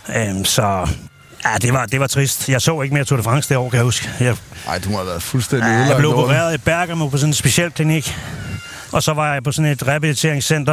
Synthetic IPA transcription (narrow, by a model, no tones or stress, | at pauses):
ømsɒ̽ | jæd̥e̝ʋɑ̈d̥e̝ʋɑ̈t͡sʰʁisd̥jɑ̈ɪsɔ̰ːe̝ɡ̥əmejɑt͡sʰo̰ːɾefʁɑ̈ŋ̰sɡ̥eɒʊ̰ɐkʰæjhusɡ̥əjɑɪ̰d̥umaʋæɐfulsd̥en̰d̥ieable̝ʊbʁeːɐð̩ˠib̥æɐɡ̥æmopʰɒ̽s̬ɔ̽nensb̥e̝ɕel̰kʰliniɡ̥ | ʔɒ̽sɒ̽ʋɑ̈jɑ̈pʰɒ̽sɔ̽ne̝d̥ʁɛbilit͡sʰe̝ɐeŋsen̰d̥ɐ